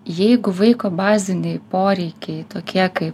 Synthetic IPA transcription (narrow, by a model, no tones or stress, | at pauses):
jɛɪɡʊʋɐɪkoːbɑːzʲɪnʲɛɪpoːɾʲɛɪkʲɛɪt̪oːkʲʰiɛkɐɪp